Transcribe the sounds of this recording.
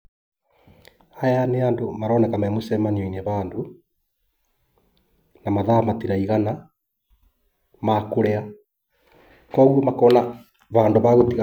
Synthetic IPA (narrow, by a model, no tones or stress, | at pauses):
ajaneandomaɾɔːnɛkamamosɛmaniɔineβaːndo | namaðaːmatiɾaiɣana | makoɾea | kɔːɣuomakɔːna | βaːndoβaɣotiɣa